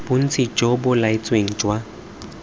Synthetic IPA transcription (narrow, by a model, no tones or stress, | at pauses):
bʊn̩t͡sʰit͡ʃʼɔbʊlaɪt͡sʼweŋ̩t͡ʃʼwa